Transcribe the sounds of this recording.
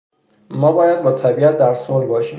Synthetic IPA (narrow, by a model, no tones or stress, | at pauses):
mɒːbɒːjæd̪̚bɒːt̪ʰæbiːæt̪̚d̪æɾsolbɒːʃiːm